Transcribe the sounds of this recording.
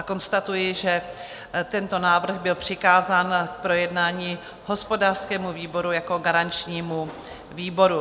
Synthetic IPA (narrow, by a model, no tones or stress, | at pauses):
ako̞nst̪at̪ujɪʒɛ | t̪ɛnt̪o̞naːvr̩ɣbɪlpr̝̥ɪkaːzaːnk̚pɾo̞jɛdnaːɲiː | ɦo̞spo̞daːr̥skɛːmuviːbo̞ɾujako̞ɡaɾant͡ʃɲiːmu | viːbo̞ɾu